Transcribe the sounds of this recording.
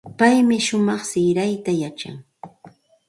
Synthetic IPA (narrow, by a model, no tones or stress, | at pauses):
pajmɪʃʊmɑχsɪɾajt̪ajat͡ʃa̰ŋ